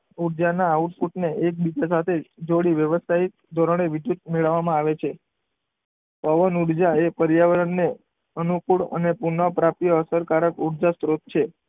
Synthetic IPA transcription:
uɽd͡ʒanaːuʈfuʈneʔek̚bid͡ʒasat̪ʰed͡ʒoɽiʋjəʋəsait̪ | d̪ʱɔɾəɳ̃eʋid̪jut̪̚meɭəʋːamãaʋet͡ʃʰe | pəʋənuɽd͡ʒaepəɾjaʋəɾənːe | ənukuɽə̰nepunəpɾapijəəsəɾkaɾəkuɽd͡ʒast̪ɾot̪̚t͡ʃʰe

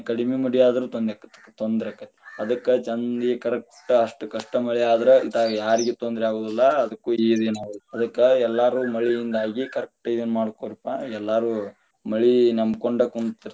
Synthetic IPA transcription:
kɐɽimemɐɽijaːd̪ɐɾuːt̪ond̪ɾaːkːɐ̥t̪ːe̥kːt̪ond̪ɾeaːkːɐt̪ːe̥ɐd̪ɐkːɐt͡ʃɐnd̪iekɐɾɐk̚ʈɐɐʂʈukɐʂʈɐmɐɭiaːd̪ɐɾeid̪aːɡjaːɾiɡet̪ond̪ɾɛaːɡoːd̪ɐlːɐɐd̪ɐkːuːid̪enaːɡɐd̪ɐkːɐɛlːaːɾuːmɐɭijind̪aːɡikɐɾɐk̚ʈid̪ɐnːmaːɽkoːɾipːaɛlːaːɾu | mɐɭinɐmkoɳɖɐkunt̪iɾ

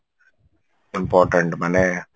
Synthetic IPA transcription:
ɪmpɔːʈəɳʈmane

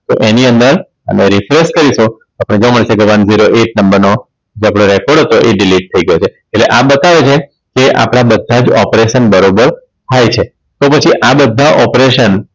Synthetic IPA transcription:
t̪o̰ʔeniənd̪əɾ | ə̰meɾifɾeskəɾiʃũ | apəɽ̃ed͡ʒəʋãməɭisekeʋənziɾoʔeʈ̚nəmbəɾno | d͡ʒapɽoɾɛkɔɾɽɦɔt̪oʔeɖiliʈ̚t̪ʰəiɡəjot͡ʃʰe | eʈleʔabət̪aʋet͡ʃʰe | keʔa̰pɽ̃abəd̪ʱːad͡ʒɔpɾeʃənbəɾobəɾ | t̪ʰajt͡ʃʰe | t̪opət͡ʃʰiʔabəd̪ʱːaʔɔpɾeʃən

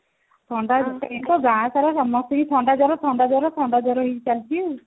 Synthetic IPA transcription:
t̪ʰɔɳɖad͡ʒit̪ɔɡãsaɾasɔmɔt̪ʰɔɦit̪ʰɔɳɖad͡ʒɔɾɔt̪ʰɔɳɖad͡ʒɔɾɔt̪ʰɔɳɖad͡ʒɔɾɔɦit͡ʃalt͡ʃʰu

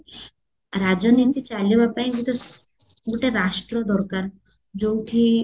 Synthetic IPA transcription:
ɾad͡ʒɔnit̪it͡ʃalibapaĩɡuʈe | ɡuʈeɾaʃʈɾɔd̪ɔɾkaɾ | d͡ʒowʈʰi

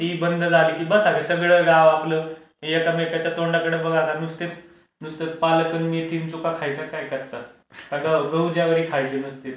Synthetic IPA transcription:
ɦibənd̪ʱəd͡zʱaliːkibəsaɡesəɡɭəɡaʋapləː | ɦejəkamekat͡ɕjat̪oɳɖakəɽəbəɡʱãanust̪et̪̚ | nust̪et̪paləkənmiːt̪int͡sukakʰajt͡sakajkəɾt͡sa | kaɡaɡəwd͡ʑjaʋəɾiːkʰajt͡ɕenust̪et̪

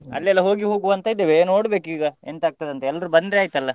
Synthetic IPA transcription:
ɐ̰lːɛlːɐɦo̞ːɡiɦo̞ːɡuʋɐnt̪ɐid̪ːeʋeno̞ːɽbe̞ːkiːɡɐent̪aːɡ̚t̪ad̪ɐnt̪eɛlːɐɾubɐnd̪ɾeaːjt̪ɐlːɐ

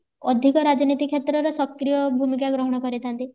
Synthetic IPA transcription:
ɔd̪ʱikɔɾad͡ʒɔnit̪ikʰet̪ɾɔɾɔsɔkɾijɔbʱumikaɡɾɔɦɔɽ̃ɔkɔɾit̪ʰant̪i

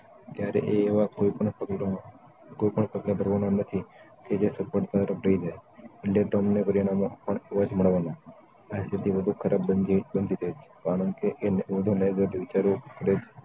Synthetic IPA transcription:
t̪jaɾḛʔeːʋakoipəɳ | koipəɳpəɡlebʱəɾʋanonət̪ʰi | ked͡ʒesəpəʈt̪at̪əɾəbʱɽəid͡ʒaeelɖeʈomnepəɾiɽ̃amo̰pəɳeʋad͡ʒməɭʋana | ast̪ʰit̪iʋəd̪ʱukʰəɾʔabbənd̪ʱit̪ʰət͡ʃʰe̥kaɽəŋkeʔeʋəd̪ʱuleɡəɖʋɪt͡ʃaɾokəɾet͡ʃʰe̥

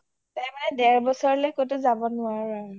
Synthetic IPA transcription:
tɛɹmanɛdɛɹbɔsɔɹlɔjkotʊzabɔnʊaɹaɹ

